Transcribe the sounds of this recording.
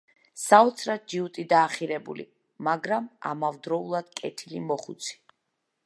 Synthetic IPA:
saɔt̪sʰɾad̪̚d͡ʒiut̪ʼid̪aːχiɾɛbṵlḭ | maɡɾama̰mavd̪ɾɔulˠad̪̥kʼɛt̪ʰilimɔχṵt̪sʰi̥

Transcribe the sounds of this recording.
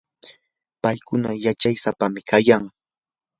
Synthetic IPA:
pajkʊnajat͡ʃajsapamɪkajaŋ

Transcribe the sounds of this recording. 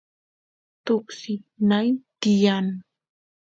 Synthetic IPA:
t̪ʊksɪnajt̪ɪjan

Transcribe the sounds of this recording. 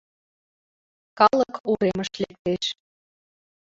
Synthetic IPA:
kɑləkuɾeməʃlek̚t̪eʃ

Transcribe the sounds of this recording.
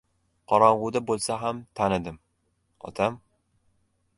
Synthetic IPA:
qʰɒɾɒɴʁʊd̪abolˠsaɦamt̪ʰanɪd̪ɪm | ɒ̰t̪ʰam

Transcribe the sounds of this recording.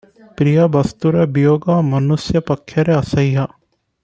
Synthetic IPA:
pɾijɐbɐst̪uɾebijoːɡamɐnusjɐpɐkʰjɐɾeɐsɐjɦa

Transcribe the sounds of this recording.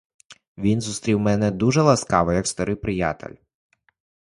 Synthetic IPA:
ʋʲinzust̪ɾʲiwmɛnɛd̪uʒɛlˠɐskɑʋɔjɐkst̪ɐɾɪwpɾɪja̰t̪ḛlʲ

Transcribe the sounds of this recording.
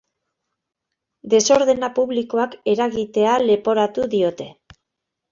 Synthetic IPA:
d̪e̞so̞ɾðe̞napuβliko̞ake̞ɾaɣit̪e̞ale̞po̞ɾat̪uðio̞t̪e̞

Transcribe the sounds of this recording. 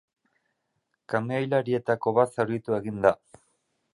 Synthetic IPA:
kameajlaɾie̞t̪ako̞βat̪sawɾðit̪ue̞ɣind̪a

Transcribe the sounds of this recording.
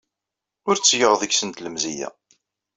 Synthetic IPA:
ʊɾt͡sːjəʁðəçsənt̪ləmzijæ̰

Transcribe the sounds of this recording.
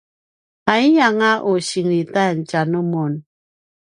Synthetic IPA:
aiɲaŋaʔosiŋɾitant͡ʃanomon

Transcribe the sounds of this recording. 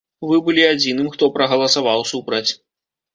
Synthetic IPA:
vɨbɨlʲiad͡zʲin̪ɨmxt̪ɔpɾɐɣɐlˠɐsavawsupɾɐt͡sʲ

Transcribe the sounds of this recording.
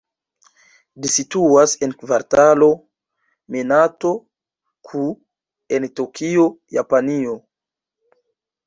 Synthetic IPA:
lisituase̞nkvaɾtalo̞ | menato̞ | kʰu | entokʰio̞ja̰panio̞

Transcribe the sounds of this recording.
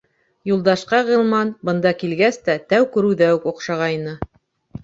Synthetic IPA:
julˠd̪ɑʃqɑʁɤ̆lˠmɑnbɤ̆nd̪ɑkilɡæst̪æt̪æwkɵ̆ɾʉðæwɘkŏqʃɑʁɑjnɤ

